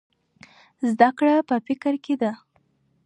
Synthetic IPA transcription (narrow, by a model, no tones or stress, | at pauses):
zd̪akɽapəfɪkɾked̪a